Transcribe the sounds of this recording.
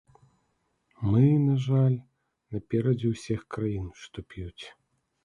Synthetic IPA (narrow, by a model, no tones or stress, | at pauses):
mɨnaʐalʲ | nɐpʲɛɾɐd͡zʲiwsʲixkɾajinʂt̪ɔpʲjut͡sʲ